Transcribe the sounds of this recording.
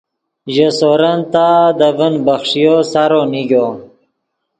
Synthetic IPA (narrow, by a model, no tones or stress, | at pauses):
ʑəsoɾənt̪ad̪əvənbəxʂijosaɾoniɡo